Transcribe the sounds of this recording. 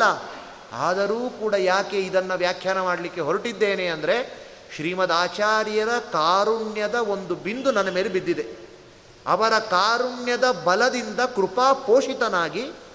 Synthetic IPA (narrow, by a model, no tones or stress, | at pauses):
ɐ | a̰ːd̪ɐɾuːkuːɽɐjaːkeid̪ɐnːɐʋjaːkʰjaːɾnɐmaːɽɐlikːeɦoɾiʈid̪ːe̞ːneɐnd̪ɐɾe̞ | ʃɾiːmɐd̪aːt͡ʃaːɾjɐɾɐkaːɾuɳjɐd̪ɐo̞nd̪ubind̪unɐnːɐme̞ːlebid̪ːid̪e | ɐ̰ʋɐɾɐkaːɾuɳjɐd̪ɐbɐlɐd̪ind̪ɐkɾupaːpoːʂit̪ɐnaːɡi